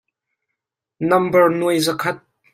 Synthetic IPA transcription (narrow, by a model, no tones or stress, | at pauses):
nɐmbərnuəjzəkʰɐt̪̚